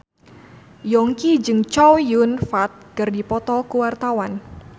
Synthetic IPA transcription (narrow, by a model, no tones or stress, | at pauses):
jɔŋkid͡ʒɨŋt͡ʃɔwjunfat̪̚kɨrdipɔt̪ɔkuwart̪awan